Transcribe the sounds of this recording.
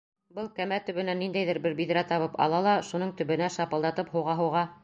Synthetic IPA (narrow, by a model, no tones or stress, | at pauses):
bɤlˠkæmæt̪ɵ̆βɘ̆nænːind̪æjðɘɾbɘɾbiðɾæt̪ɑβɤpɑ̰lˠɑlˠɑʃunɤɴt̪ɵ̆βɘ̆næʃɑpɤ̆lˠd̪ɑt̪ɤpɦuwʁɑɦɤ̆wʁɑ